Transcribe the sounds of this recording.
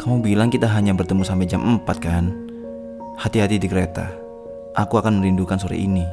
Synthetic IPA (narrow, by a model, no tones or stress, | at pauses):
kamubilaŋkit̪aɦaɲabərt̪əmusampɛd͡ʒamʔəmpat̪̚kan | hat̪iɦat̪idikəɾet̪a̰ | ʔakuakanməɾindukansuɾa̰ʔḭni